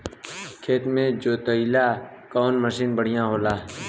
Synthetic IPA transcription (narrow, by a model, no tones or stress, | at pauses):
kʰeːt̪mẽd͡ʒoːt̪əilaː | kɔːnməʃiːnbəɽ̤ɪjãɦoːlaː